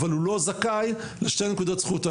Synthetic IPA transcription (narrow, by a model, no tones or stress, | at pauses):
valulo̞zakaj | leʃte̞jnekud̪otsχut̪a